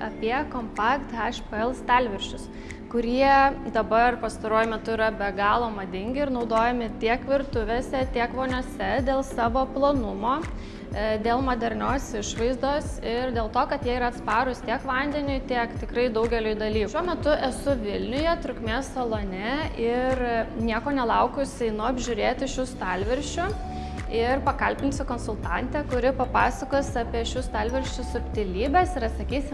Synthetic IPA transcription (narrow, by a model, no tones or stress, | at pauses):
ɐpʲiɛkoːmpɑːkt̪ɛʃpɛlˠst̪ʲɑlʲʋʲɪɾʲʃʲʊs | kʊɾʲiɛd̪ɐbɐrpɐst̪ɐɾuɔjʊmʲɛt̪ʊiːɾɐbʲɛɡɑːlˠoːmɐd̪ʲɪŋʲɡʲɪɪɾnɐʊd̪oːjɛmʲɪt̪ʲiɛkʋʲɪɾt̪ʊʋʲeːsʲɛt̪ʲiɛkʋoːnʲuɔsʲɛd̪ʲeːlˠsɑːʋoːplˠoːnʊmoː | d̪ʲeːlˠmod̪ʲɛɾʲnʲoːsɪʃʋɐɪzd̪oːsɪrd̪ʲeːlˠt̪oːkɐt̪jɛːɪɾɐɐt̪spɑːɾʊst̪ʲiɛkʋɐnʲd̪ʲɛnʲʊjt̪ʲiɛkt̪ʲɪkɾɐɪd̪ɐʊɡʲɛlʲʊjd̪ɐlʲiːkʃʲuɔmʲɛt̪ʊʔɛsʊʋʲɪlʲnʲʊjɛt̪ɾʊkmʲeːssɐlˠoːnʲɛɪrnʲiɛkoːnʲɛlˠɐʊkʊsʲɛɪnʊɐbʲʒʲʊɾʲeːt̪ʲɪʃʲʊst̪ɑlʲʋʲɛɾʲʃʲt͡ʃʲʊ | ɪrpɐkɐlʲpʲɪnʲsʲʊkoːnsʊlˠt̪ɑnʲt̪ʲɛkʊɾʲɪpɐpɑːsɐkoːsɑːpʲiɛʃʲʊst̪ɑːlʲʋʲɛɾʲʃʲt͡ʃʲʊsʊpʲt̪ʲɪlʲiːbʲɛsɪɾɐt̪sɐkʲiːsʲɪm